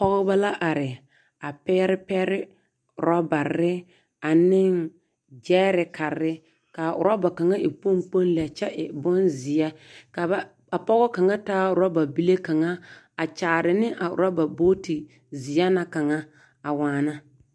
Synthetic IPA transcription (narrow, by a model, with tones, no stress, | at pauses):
pɔ˦ɣɔ˦ba˦la˦ʔa˨ɾɪ˨ | a˨pɛː˦ɾɪ˦pɛː˦ɾɪ˦ | ʊ̰˨ɾa˦ba˨ɾɪ˦ | a˨nɪ˦ŋ | d͡ʒɛː˦ɾɪ˨ka˨ɾɪ˦ | ka˨ʔʊ̰˨ɾa˦ba˨ka˨ŋa˦ʔɪ˨po˦ŋk͡po˦n˦lɛ˨t͡ʃɛ˦ʔɪ˨bɔ˦nzɪ˨ja˦ka˨a˨ | a˨pɔ˦ɣɔ˦ka˨ŋa˦taː˦ʊ˨ɾa˦ba˨bi˦le˦ka˨ŋa˦ | a˨t͡ʃaː˨ɾɪ˨nɪ˦ʔa˨ʊ̰˨ɾa˦ba˨bo˦ti˨ | zɪ˨ja˦na˦ka˨ŋa˦ | a˨waː˨na˦